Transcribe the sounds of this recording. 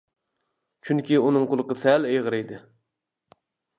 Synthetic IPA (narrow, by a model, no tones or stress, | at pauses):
t͡ʃʰyŋkʲiunɨŋqʊlˠqəsɛlejʁəɾejd̪ɪ